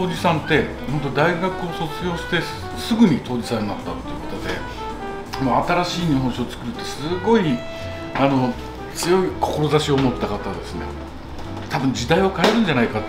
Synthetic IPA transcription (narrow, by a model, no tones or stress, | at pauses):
oːd͡ʑisãnt̪e̞ | hõnt̪̬od̪aiɡakɯ̟o̞so̞t͡sɨɡʲo̞ːɕi̥t̪e̞ | sɨɡɯ̟ɲ̟it̪ʰo̞ːd͡ʑisãnːnat̪ːat̪ːe̞iɯ̟kḁt̪ad̪e̞̰ | moat̪aɾaɕiːɲ̟iɦõɕiot͡sɨ̥kɯ̟ɾɯ̟t̪ːe̞sɨɡo̞i | ano̞ | t͡sɨjo̞ikʰo̞̥ko̞ɾo̞zaɕio̞mo̞t̪ːakat̪ad̪e̞sɨne̞̰ | t̪ʰabɯ̟̃ɲ̟d͡ʑid̪aio̞kaeɾɯ̟̃n̟d͡ʑanaika